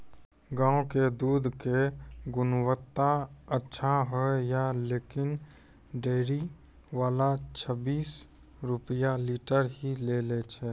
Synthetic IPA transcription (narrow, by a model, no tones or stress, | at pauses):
ɡãːoked̪uːd̪ʱkeɡʊnwət̪ːaətːʃʰaɦɛjaleːkɪn | ɖeːɾi | ʋaːlat͡ʃʰəbiːs | ɾʊpəjaliːʈəɾɦilelet͡ʃʰɛ